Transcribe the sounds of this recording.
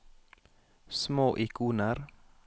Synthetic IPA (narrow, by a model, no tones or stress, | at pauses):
smoːʔɪkʰuːnəɾ